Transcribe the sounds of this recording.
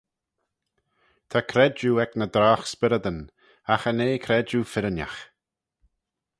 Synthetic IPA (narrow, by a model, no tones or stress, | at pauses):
t̪ʰakʰɾɛd͡ʒuːɛknəd̪ɾaːxspɪɾəd̪ən | axəneːkʰɾɛd͡ʒufɪɾənja̰x